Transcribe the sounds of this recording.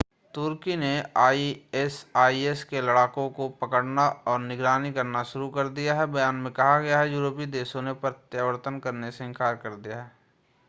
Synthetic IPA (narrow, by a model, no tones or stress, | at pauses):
t̪ʊɾkineaːiesaːieskelɐɽaːkõkopɐkəɽnaɔːɾnɪɡɾaːnikɐɾnaʃʊɾukɐɾd̪ijaɦɛbɐjaːnmẽkɐɦaɡɐjaɦɛjuːɾoːpid̪eːʃõnepɾət̪jəʋəɾt̪ənkɐɾneseɪ̃ŋkaːɾkɐɾd̪ijaɦɛː